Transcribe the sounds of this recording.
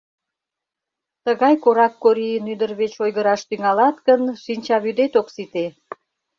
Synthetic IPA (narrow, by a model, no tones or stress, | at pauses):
t̪əɣɑjkoɾɑkːoɾinyd̪ərβet͡ɕojɣəɾɑʃt̪yŋɑlɑt̪ɣənʃinʲt͡ɕɑβyd̪et̪oksit̪e